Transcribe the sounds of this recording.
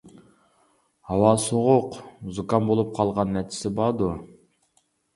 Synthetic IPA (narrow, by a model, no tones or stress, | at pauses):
hɑwɑsoʁʊqzukɑnbolˠup̚qʰɑlˠʁɑnːɛt͡ʃʰɪ̥sɪbɑd̪u